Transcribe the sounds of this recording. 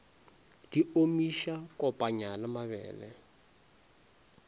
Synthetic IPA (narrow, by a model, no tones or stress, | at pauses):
d̥iomiʃakɔpʼaɲalamaβɛ̰ːlɛ̰